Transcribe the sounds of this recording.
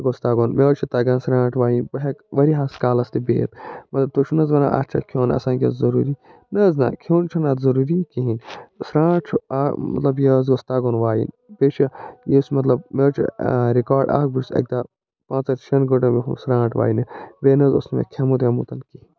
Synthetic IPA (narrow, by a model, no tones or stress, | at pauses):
ɡost̪aːɡoːnmeɾt͡ʃʰit̪ɐɡãːnsɾãːʈʋaːjinbɐɦɐkʋɐɾiɦaːskaːlɐst̪ibḛːt̪mɐt̪lɐb̚t̪ot͡ʃʰunɐzʋɐna̰ʔa̰t͡ʃʰɐ̰kʰjoːnɐ̰sãːkʲɐzɐɾuːɾi | nɐzna̰ːkʰjoːnt͡ʃʰɐnɐt̪zɐɾuːɾikiɦĩnsɾãːʈt͡ʃʰuamɐ̰t̪lɐbjezɡost̪aːɡoːnʋaːjḭn | beːt͡ʃʰijismɐt̪̬lɐb̚meɾt͡ʃʰḭɾikaːɾɖa̰ːkbusɐ̰k̚d̪a | pãːt͡sɐɾt͡ʃʰɐnɡɐʈɐmiɦṵsɾãːʈʋa̰ːjinɨbeːnɐzo̰snmḛkʰɐmut̪ɐmut̪ɐnkiɦin